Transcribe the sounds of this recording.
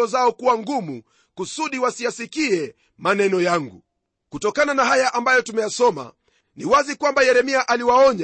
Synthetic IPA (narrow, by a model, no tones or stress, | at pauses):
ɔzaɔkuwaŋɡumu | kusuɗiwasijasikiɛ | manɛnɔjaŋɡṵ | kutɔkananaɦajaʔambajɔtumɛjasɔma̰ | niwazikwambajɛɾɛmiaʔaliwaɔɲa